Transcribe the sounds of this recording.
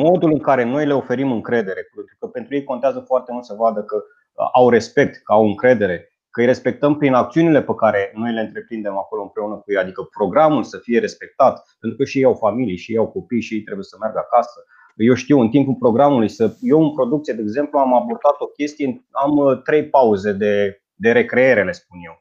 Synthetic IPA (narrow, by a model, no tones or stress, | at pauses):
mo̞d̪ulɨŋkaɾe̞no̞jle̞o̞fe̞ɾimɨŋkɾe̞d̪e̞ɾe̞pet̪ɾukəpent̪ɾujejkont̪eazəfoart̪e̞mult̪səvad̪əkə | ʔawɾe̞spe̞k̚t̪kəawɨŋkɾe̞d̪e̞ɾe̞ | kəɨjrespe̞k̚t̪əmpɾinak̚t̪siunile̞pekaɾe̞no̞jleɨnt̪ɾe̞pɾind̪e̞mako̞loɨmpɾe̞unəkujejad̪ikəpɾo̞ɡɾamulsəfije̞ɾe̞spe̞k̚t̪at̪pe̞nt̪ɾukəʃiejawfamilijʃiejawko̞pijʃijejt̪ɾe̞buje̞səmerɡakasə | jewʃt̪iwɨnt̪impulpɾo̞ɡɾamulujsəjewɨnpɾo̞d̪uk̚t̪sijed̪eːɡze̞mpluamabo̞rd̪at̪o̞kʲe̞st̪ijenamt̪ɾe̞jpauze̞d̪e̞ | d̪e̞ɾe̞kɾe̞eɾe̞le̞sp̚unje̞w